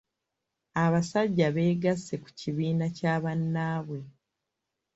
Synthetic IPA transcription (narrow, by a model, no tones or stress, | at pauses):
aβasaɟːaβe̞ːɡasːe̞ku̥ciβiːnacaːβanːaːβwe̞